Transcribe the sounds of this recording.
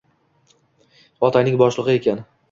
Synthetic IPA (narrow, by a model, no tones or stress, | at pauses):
ɒt̪ʰajnɪŋbɒʃlˠɨʁɨe̞kʲʰan